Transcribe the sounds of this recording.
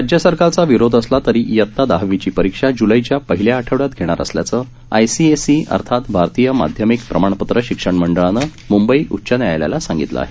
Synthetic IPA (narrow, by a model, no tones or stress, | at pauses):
ɾad͡ʑjəsəɾkalt͡saʋiɾod̪ʱəslat̪əɾijət̪ʰːad̪aɦʋit͡ɕiːpəɾikʂad͡ʑuləit͡ɕjapəɦiljaːʈʰəʋɽat̪ɡʱeɽ̃aɾə̰slja̰t͡sə | a̰jsiesiə̰ɾt̪ʰat̪bʱaɾt̪ijəma̰d̪ʱjəmikpɾəmaɳ̃pət̪ɾəɕikʂəɳməɳɖəɭanəmumbəiʔut̪ːɕənjajlja̰lasaŋɡit̪lə̰a̰ɦe